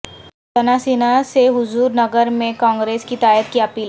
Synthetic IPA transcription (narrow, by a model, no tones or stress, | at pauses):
t̪ɐnaːsiːnaseɦʊzuːɾnɐɡəɾmẽkãːŋɡɾeːskit̪aːjət̪̚kiɐpiːl